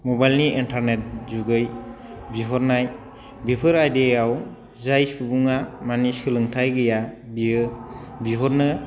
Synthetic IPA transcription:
mɔbajlniʔintʰaɾnet̚zuɡɯj | biɦɔɾnaj | bipʰɯɾajdeaw | zajsubuŋamanisɯlɯŋtʰajɡɯjabi | biɦɔɾnɯ

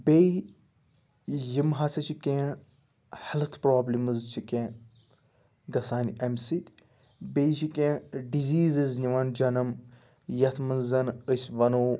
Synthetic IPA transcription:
bei | jimɦɐsɐt͡ʃʰikʲẽː | hɐlt̪ʰpɾoːblʲimɨzt͡ʃʰikẽː | ɡɐsaːnʲɐmsit̪ʲ | beːjt͡ʃʰikʲẽːɖiziːziznʲiʋɐnd͡ʒɐnɐm | jɐt̪ʰmɐnzɐnəsʲʋɐnoː

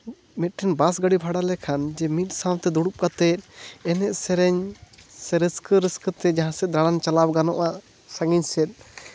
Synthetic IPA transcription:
mɛt̪̚ʈɛnbas̬ɡaɽibʱaɽalɛkʰand͡ʒɛmit̪̚sãwt̪ɛd̪uɽup̚kat̪ɛt̪̚ɛnɛʔsɛɾɛɲsɛɾəskəɾəskət̪ɛd͡ʒaɦãsɛd̪ɾaɽant͡ʃalawɡanɔʔa | saŋiɲsɛt̪̚ˀ

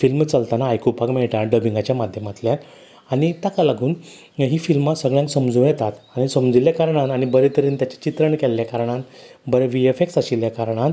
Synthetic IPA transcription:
filmt͡səlt̪anaːjkupakmeɭʈaɖəbiŋɡat͡ɕjamad̪ʱjəmat̪ljat̪ | aɽ̃it̪akalaɡuːn | ɦiːfilmat̪səɡɭjãŋksəmd͡zũːjɛt̪at̪añisəmd͡ziljakaɾɳanaɽ̃ibəɾet̪əɾiːnt̪jat͡ɕḁt͡ɕit̪ɾəɳkɛlːjakaɾɳãnbəɾeʋiefek̚saɕiljakaɾɳ̃an

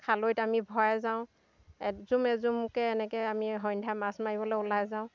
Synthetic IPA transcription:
kʰalojtamibʱɔjɛzaʊ̃ | ɛzumɛzumkɛːnɛkɛamiɦɔjndʱamasmaɹibɔlɔʊlajzaʊ̃

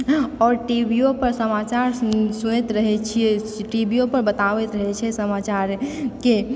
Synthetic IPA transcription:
ɔːɾʈibiopəɾsəmat͡ʃaɾsuñet̪ɾəɦɛt͡ʃʰiɛ | ʈibiopəɾbət̪aʋɛt̪ɾəɦɛt͡ʃʰɛsəmat͡ʃaɾke

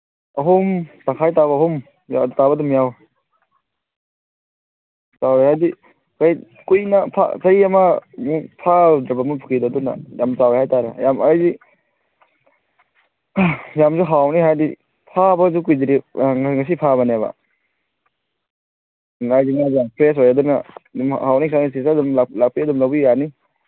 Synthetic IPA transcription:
ɐɦumtaŋkʰajtaβɐːhum | j̰tabɐdumjaw | t͡ʃawɾehajdi | kaj | kujnɐpʰa̰sɐjɐmɐmupʰadɾɐbɐmupʰukʰidɔdunːɐ̰jamt͡ʃawhajtaɾajamajzi | jamzuɦawniɦajdi | pʰabɐzukujdiɾiŋŋas̬ipʰaβɐneβɐ̰ | ŋajziŋaampʰɾes̬ojadunɐdmhawnikʰanisisdumalak̚piɐdumlabijani

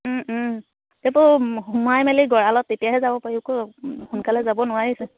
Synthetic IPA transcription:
tɛpʊumuajmɛliɡɔɹalɔtːetijaɦɛzabɔpaɹikoxunkalɛzabɔnʊwaɹisɛ

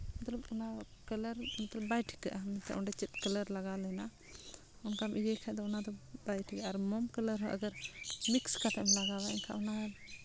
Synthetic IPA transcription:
mɐt̪ləbunakələɾmɐt̪ləb̚bajʈʰi̥kəʔamɛnt̪ʰɛ̰ʔɔɳɖɛt͡ʃit̪̚kələɾlaɡalɛna | ɔnkamʔiɡɛkʰad̪ɔɔnad̪ɔbajʈʰikaʔaɾmɔmkələɾɦɔ̃ʔə̰ɡəɾmikskat̪ɛmlaɡabaɛɲkʰaʔɔna

